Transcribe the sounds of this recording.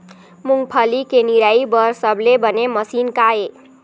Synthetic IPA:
muŋɡpʰəlikeniɾaibəɾsəbʱlebəneməsinkae

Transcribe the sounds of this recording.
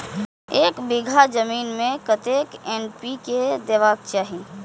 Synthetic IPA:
eːkbiɡʱad͡ʒəmiːnmẽkət̪eːkɛːnpiked̪eːʋaːk̚t͡ʃaːɦi

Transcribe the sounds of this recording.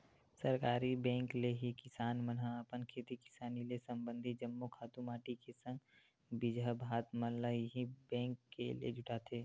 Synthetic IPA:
səɾkaːɾibɛ̃ːŋkleɦikɪsaːnmənɦaːpənkʰeːt̪ikɪ̥saːnilesɐ̃mbə̃nd̪ʱid͡ʒəmːokʰaːt̪ũmaːʈikesə̃ŋɡ | bɪd͡ʒabʱaːt̪mələɦiɦibɛ̃ːŋkːḛliḛd͡ʒʊʈaːt̪ʰeː

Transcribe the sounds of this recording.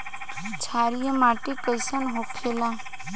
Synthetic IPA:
t͡ʃʰaɾijəmaʈikəjsənɦokʰela

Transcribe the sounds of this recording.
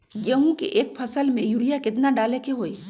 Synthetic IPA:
jɐɦũkḛʔeːk̚pʰɐsəlmẽjuɾijakɪt̪naɖaːlekeɦoːi

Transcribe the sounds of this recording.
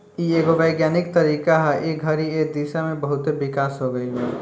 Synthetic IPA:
ieɡoʋəɪɡjanɪk̚t̪əɾiːkaɦaʔeɡʱəɾied̪isamẽbəɦʊt̪eʋɪkaːsɦoɡəiɦe

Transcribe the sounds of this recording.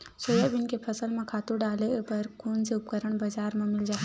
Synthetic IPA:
soːjabɪnkepʰɐsəlmẽkʰaːt̪uɾɖaːlepɐɾkuːnseʊp̚kəɾəɳ̃bɐd͡ʒaːɾmẽmɪld͡ʒaːe

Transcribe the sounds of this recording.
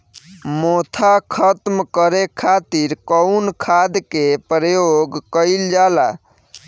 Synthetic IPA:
mot̪ʰakʰət̪mkəɾekʰːat̪iɾkəʊnkʰad̪kepɾəjoɡkəɪld͡ʒala̰

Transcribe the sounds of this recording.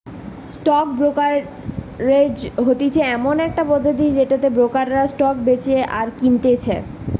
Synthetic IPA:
sʈɔk̚bɾokaɾː | ed͡ʑɦot̪it͡ɕʰeɛmonɛk̚ʈabɔd̪ʱod̪id͡ʑeʈat̪ebɾokaɾːasʈɔk̚bet͡ɕeʔaɾkint̪et͡ɕʰe

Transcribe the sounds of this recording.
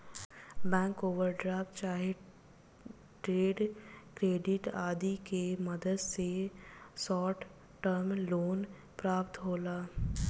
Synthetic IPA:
bɛ̃ːŋkoːʋəɾɖɾaːpt͡ʃaːɦe | ʈɾeːɖkɾeːɖɪʈaːd̪ikemɐd̪əd̪sesɔːʈ | ʈəɾmloːn | pɾaːpt̪ɦoːlaː

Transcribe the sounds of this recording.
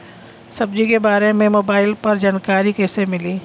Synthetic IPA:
sɐbd͡ʒikebaːɾemẽmoːbaːɪlpɐɾd͡ʒaːnkaːɾikɛːsemɪliː

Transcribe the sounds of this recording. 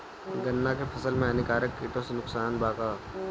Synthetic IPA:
ɡɐnːakepʰɐsəlmẽɛnɪkaːɾəkːɪːʈõsenʊksaːnbaːkaː

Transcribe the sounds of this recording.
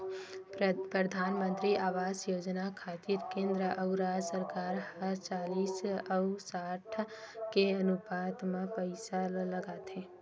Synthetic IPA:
pɾəd̪ʱaːnmə̃nt̪ɾiʔaːʋaːzjoːd͡ʒnakʰaːt̪iɾkẽːnd̪ɾəʔəʊɾaːd͡ʒsəɾkaːɾhəɾt͡ʃaːliːsəʊsaːʈʰkeɐnʊpaːd̪mẽpəɪsaləɡaːt̪ɦeː

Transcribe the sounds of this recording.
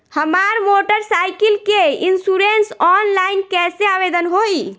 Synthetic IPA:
həmaɾmoʈəɾsajkilkeinsuɾensɔnlainkɛseabed̪ənɦoi

